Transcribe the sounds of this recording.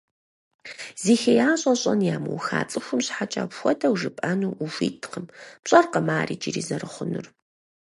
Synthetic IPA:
ziːxɐjaːɕʼɐɕʼɐnjaːmṵwxa̰ːt͡sʼɨxʷʊmɕħat͡ʃʼɐpxʷɔtʰʼɐwʐɨpʼɐnuːʔufḭːtʰqəmpɕʼɐrqɐmaːriːt͡ʃʼirḭzɐrɨχʷʊnɨr

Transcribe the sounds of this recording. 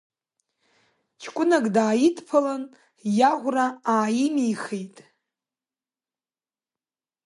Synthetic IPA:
t͡ʃʰkʷʼʊnakʼdaːjidʰpʰalan | jaʁʷraaːjimijχejtʼ

